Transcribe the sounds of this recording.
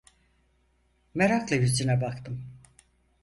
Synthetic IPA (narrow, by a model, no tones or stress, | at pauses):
meɾaklˠajyzd͡ʒinɛbakt̪ʰɯm